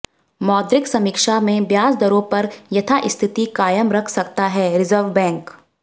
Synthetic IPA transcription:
mɔːd̪ɾɪksɐmiːkʃamẽbjaːsd̪ɐɾõpɐɾjɐt̪ʰaʔɪst̪ʰɪt̪ikaːjəmɾɐkʰsɐkt̪aɦɛɾɪzəɾʋbɛ̃ːŋk

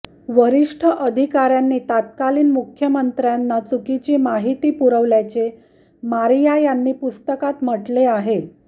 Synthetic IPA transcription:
ʋəɾiʂʈʰəʔəd̪ʱikaɾjanːiːt̪at̪̚kaliːnmukʰjəmənt̪ɾjanːat͡sukit͡ɕiːmaɦit̪iːpuɾəʋljat͡ɕe | maɾijajanːiːpust̪əkat̪m̤əʈleaɦe

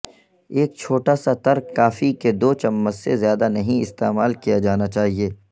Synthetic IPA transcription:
eːk̚t͡ʃʰoːʈasat̪ɐɾkːaːfiked̪oːt͡ʃɐmːəsːezjaːd̪anɐɦĩɪst̪ḛːmaːlkijad͡ʒaːnat͡ʃaːɦieː

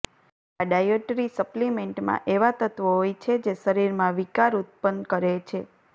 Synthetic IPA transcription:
aɖajoʈɾisəplimeɳʈmã̰ʔeʋat̪ət̪ʋəɦojt͡ʃʰed͡ʒeʃəɾiɾmãʋikaɾut̪̚pənkəɾet͡ʃʰe

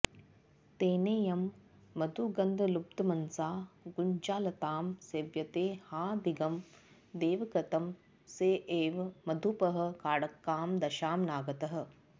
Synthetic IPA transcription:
t̪eːneːjɐmː | ɐd̪ʱuɡɐnd̪ʱɐlup̚t̪ɐmɐnsaːɡuɲt͡ʃaːlɐt̪aːmseːʋjɐt̪eːhaːd̪iɡɐm | d̪eːʋɐkɐt̪ɐm | seːʔeːʋmɐd̪ʱupɐɦɐ̆kaːɽɐkːaːmd̪ɐʃaːmnaːɡɐt̪ɐɦɐ̆

